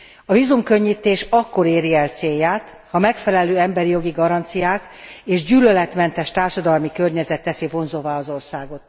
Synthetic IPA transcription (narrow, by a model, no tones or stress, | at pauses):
ɒvizumkøɲːit̪ːeːʃɒkːo̞ɾeːɾiɛlt̪seːjːaːt̪ | hɒmɛkfɛlɛløːɛmbɛɾijo̞ɡiɡɒɾɒnt̪sijaːk | eːʒɟyːlølɛt̪mɛnt̪ɛʃt̪aːrʃɒd̪ɒlmikø̞rɲɛzɛt̪ːɛsivo̞nzovaɒzo̞rsaːɡo̞t̪̚